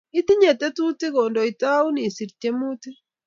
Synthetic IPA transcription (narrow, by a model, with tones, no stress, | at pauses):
i˦t̪i˦ɲe˨t̪e˦tu˦ti˦ɣondo˨i˨ta˦u˦ni˨si˨ɾte˦mu˦ti˦